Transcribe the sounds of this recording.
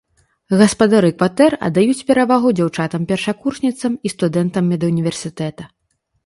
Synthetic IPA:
ɣɐspɐd̪aɾɨkvat̪ɛrɐ̰d̪ːajut͡sʲpʲɛɾavaɣud͡zʲawt͡ʂat̪ɐmpʲɛrʂakurʂnʲit̪sɐmist̪ud̪ɛnt̪ɐmːʲɛd̪ɐunʲivʲɛrsʲit̪ɛt̪ɐ

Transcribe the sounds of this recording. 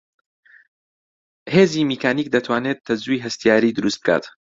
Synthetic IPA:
heːzimikʰaːniːk̚d̪ɐt̪ʰwaːnet̪̚t̪ʰːɐzujɦɐst̪ijaːɾiːd̪ɨɾust̪b̥̚kʰa̰ːt̪

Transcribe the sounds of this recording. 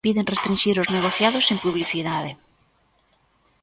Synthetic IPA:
piðeŋrest̪ɾĩnʃiɾozneɣ̞oθjaðʊsempuβliθiðaðɪ

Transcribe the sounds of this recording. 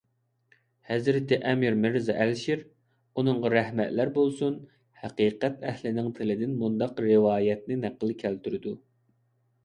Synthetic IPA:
hɛzɾɪt̪ɪʔɛmiɾmɪɾzɑʔælʃiɾ | unɨŋʁɑɾɛhmɛt̪læɾbolˠsun | hɛqiːqɛt̪ɛhlɪnɪŋt̪ʰɪlɪd̪ɪnmund̪ɑqɾɪwɑːjɛt̪̚nɪnæqːəlˠɨkʲʰælt̪yɾɪd̪u

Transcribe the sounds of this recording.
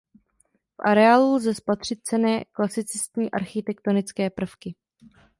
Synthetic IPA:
fʔa̰ɾɛaːlulzɛspat̪r̥ɪt̪̚t͡sɛnɛːklasɪt͡sɪst̪ɲiːʔa̰ɾxɪt̪ɛkt̪onɪt͡skɛːpr̩fkɪ

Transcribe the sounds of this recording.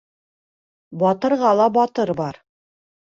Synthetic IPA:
bɒt̪ɤ̆ɾʁɑlˠɑbɒt̪ɤɾbɑɾ

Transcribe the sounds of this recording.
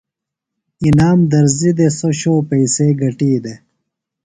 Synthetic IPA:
inaːmd̪ɐɾzid̪esoɕoːpɐjseːɡɐʈiːd̪e

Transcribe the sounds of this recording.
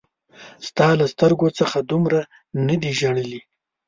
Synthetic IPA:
st̪ɑlast̪əɾɡot͡səxad̪umɾa | nəd̪iʒaɽəli

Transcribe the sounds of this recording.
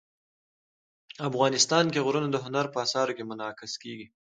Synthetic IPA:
afɣɑnɪst̪ɑnkeɣɾunod̪əɦʊnaɾpəasɑɾokemʊnɑqɪskeɡi

